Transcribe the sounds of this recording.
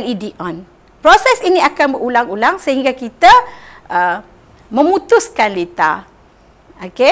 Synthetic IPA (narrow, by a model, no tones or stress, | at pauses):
lidiɔ̃n | pɾosɛsiniakanbəulaŋulaŋsəɦiŋɡakit̪aʔə | mə̃mũt̪ʊskanlet̪a̰ | oke